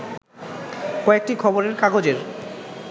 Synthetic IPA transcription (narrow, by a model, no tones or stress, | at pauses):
kɔek̚ʈikʰɔboɾeɾkaɡod͡ʑeɾ